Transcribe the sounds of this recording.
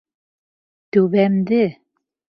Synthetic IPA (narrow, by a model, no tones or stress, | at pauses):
t̪ʉβæmd̪ɘ